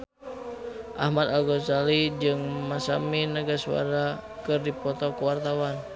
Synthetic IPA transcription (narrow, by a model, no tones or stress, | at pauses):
ʔahmad̪alɡɔt͡ʃalid͡ʒɨŋmasaminaɡasua̰ɾakɨrdipɔt̪ɔkuwart̪awan